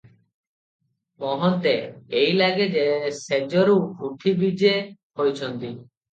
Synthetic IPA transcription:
mɔɦɔnt̪eːjlaɡed͡ʒesed͡ʒɔɾuwbʱuʈʰibid͡ʒehojt͡ʃʰɔnt̪i

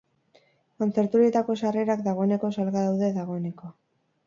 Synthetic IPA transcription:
ko̞nt͡se̞ɾt̪uɾie̞t̪ako̞sare̞ɾak̚d̪aɣ̞o̞ene̞ko̞salɣaðawðe̞ðaɣ̞o̞ene̞ko̞

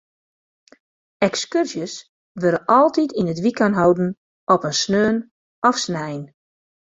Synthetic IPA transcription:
ɛkskyrsjəs | ʋøɾəʔɔlˠtitinətʋikanɦɔwdn̩ | ʔɔpənsnøːən | ɔfsnɛjn

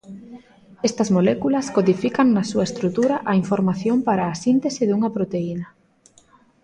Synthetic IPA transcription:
est̪ɐzmolɛkulɐskoðifikaŋnɐsuɐest̪ɾut̪uɾaʔɐiɱfoɾmaθjompaɾaːsint̪esɪðuŋɐpɾot̪einɐ

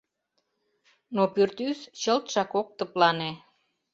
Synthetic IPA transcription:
nopyrt̪yst͡ɕə̆lt̪ʃɑkok̚t̪ə̆plɑne

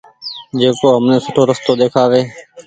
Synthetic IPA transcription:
d͡ʒeːkoːɦəmneːsəʈʰoːɾəst̪oːɗ̪eːkʰaːʋeː

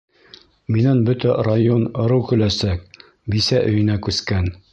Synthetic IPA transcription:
minænbɵt̪ærajonɤ̆ɾɤwkɵ̆læsæk̚ | bisæʔɵ̆jɘ̆nækʉskæn

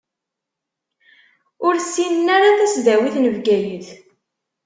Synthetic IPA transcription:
ʊɾsːinənːaɾaθæsðæwiθnəvɡæjəθ

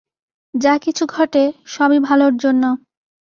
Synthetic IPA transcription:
d͡ʑakit͡ɕʰuɡʱɔʈeʃɔbibʱaloɾd͡ʑonːo

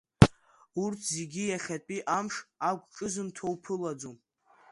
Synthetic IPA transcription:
urtʰze̞ɡʲijaχʲapʼiʔamʂaɡʷʈ͡ʂʼɨzɨmtʰowpʰɨlad͡zom

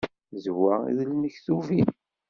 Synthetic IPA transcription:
zwæḭðlnəçθuvin

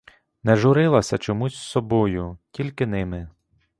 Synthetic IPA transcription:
nɛʒʊɾɪlˠɐsʲɐt͡ʃɔmusʲsɔbɔjʊtʲilʲkɪnɪmɪ

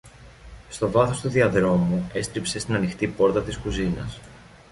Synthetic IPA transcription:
st̪o̞vɐθo̞st̪uðiɐðɾo̞mue̞st̪ɾipse̞st̪inɐnixt̪ipo̞ɾt̪ɐt̪iskuzinɐ̰s

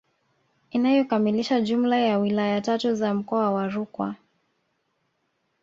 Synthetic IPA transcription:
inajɔkamiliʃaʄumlajawilajatatuzam̩kɔawaɾukwa̰

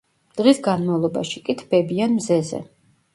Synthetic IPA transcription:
d̪̥ʁisɡanmavlˠɔba̰ʃikʼit̪ʰb̥ɛbianmzɛzɛ̰

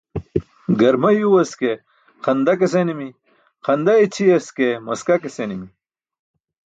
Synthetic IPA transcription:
ɡɐɾmɐjuwɐske | qʰɐnd̪ɐkes̬enimi | qʰɐnd̪ɐet͡ɕʰijɐskemɐskɐkesenimi

